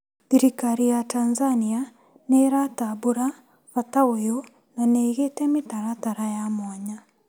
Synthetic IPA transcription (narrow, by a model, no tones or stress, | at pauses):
diɾikaɾijatanzania | neɾataboɾa | fataojo | naneːɣetɛmitaɾataɾajamaɲa